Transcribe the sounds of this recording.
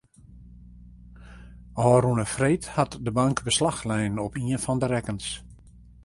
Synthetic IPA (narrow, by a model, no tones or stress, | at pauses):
ɔːɾunəfrejthatdəbaŋkbəslaxlɛjnɔpiənfɔndəɾɛkəns